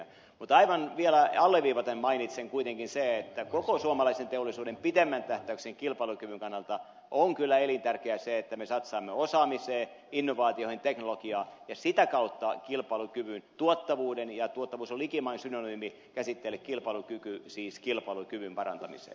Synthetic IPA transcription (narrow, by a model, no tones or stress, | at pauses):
mut̪ɑiʋɑnʋielæɑlːeʋʋiːʋɑt̪emmɑinit̪seŋkuit̪eŋkinseet̪ːækokosuomɑlɑisent̪eolːisuːdempit̪emːænt̪æht̪æykseŋkilpɑilukyʋyŋkɑnːɑlt̪ɑ | ʔoŋkylːæelint̪ærkeæseet̪ːæmesɑt̪sɑːmːeosɑːmiseː | inːoʋɑːt̪iohint̪eknolokiɑːjɑsit̪ækɑut̪ːɑkilpɑːlukyʋynt̪uot̪ːɑʋuːdenjɑt̪uot̪ːɑʋuːsolikimɑinsynonyːmi | kæsit̪ːelːekkilpɑilukykysiːskilpɑlukyʋympɑrɑ̰nt̪ɑmḭsḛː